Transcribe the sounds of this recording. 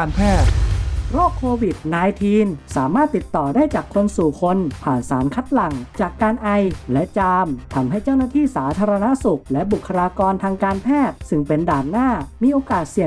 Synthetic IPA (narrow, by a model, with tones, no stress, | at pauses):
npʰɛː˥˩t̪̚ɾoː˥˩kʰːoː˧wi˨˩t̪̚naː˧jt̪ʰiː˧nsaː˩˦maː˥˩t̪ːi˨˩t̪ːɔː˨˩daː˥˩jt͡ɕaː˨˩kʰːo˧nsuː˨˩kʰo˧npʰaː˨˩nsaː˩˦nkʰa˦˥t̪̚la˨˩ŋt͡ɕaː˨˩kːaː˧nʔa˧jlɛ˦˥ʔt͡ɕaː˧mt̪ʰa˧mɦa˥˩jt͡ɕa˥˩wnaː˥˩t̪ʰiː˥˩saː˩˦t̪ʰaː˧ɾa˧na˦˥su˨˩k̚lɛ˦˥ʔbu˨˩kʰːa˧ɾaː˧kɔː˧nt̪ʰaː˧ŋkaː˧npʰɛː˥˩t̪̚sɯ˥˩ŋpe˧ndaː˨˩nːaː˥˩miː˧ʔoː˧kaː˨˩t̪̚si˨˩ə